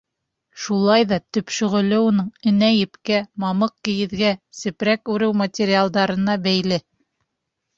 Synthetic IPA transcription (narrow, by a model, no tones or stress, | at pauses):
ʃulˠɑjðɑt̪ɵ̆pʃɵ̆ʁɵ̆lɘ̆wnɤɴɘ̆næjɘ̆pkæmɑmɤq̚kɘ̆jɘ̆ðɡæsɘ̆pɾækʉɾɘwmɐtʲeɾʲialˠd̪ɑɾɤ̆nɑbæjlɘ